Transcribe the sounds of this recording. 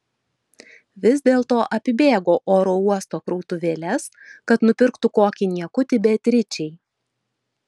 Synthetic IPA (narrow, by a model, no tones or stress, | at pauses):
ʋʲɪzʲd̪ʲeːlˠt̪oːʔɐpʲɪbʲeːɡoːʔoːɾoːuɔst̪oːkɾɔʊt̪ʊʋʲeːlʲɛs | kɐt̪nʊpʲɪɾkt̪ʊkoːkʲɪnʲiɛkʊt̪ʲɪbʲɛt̪ʲɾʲɪt͡ʃʲɛɪ